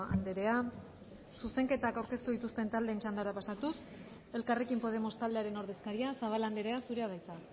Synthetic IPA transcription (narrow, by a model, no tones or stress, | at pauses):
a̰nd̪e̞ɾe̞a | suse̞ŋke̞t̪akawɾke̞st̪uðit̪ust̪e̞nt̪ald̪eːnt͡ʃand̪aɾapasat̪us | e̞lkare̞kimpo̞ð̞e̞mo̞st̪ald̪eaɾe̞no̞ɾðe̞skaɾiasaβ̞aland̪e̞ɾe̞asuɾe̞að̞ajt͡sa